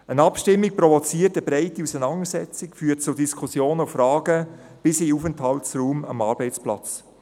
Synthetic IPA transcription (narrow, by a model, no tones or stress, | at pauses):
ənɑpʃtɪmːik̚pɾɔvɔt͡siːərtəbɾɛɪtiusənɑŋəsɛt͡sikfyːt̚t͡sʊdiskʰusjoːnufɾɑːɡə | b̥ɪsiufənthɑltsruːmɑ̰mɑːɾbɛɪt͡splɑ̰t͡s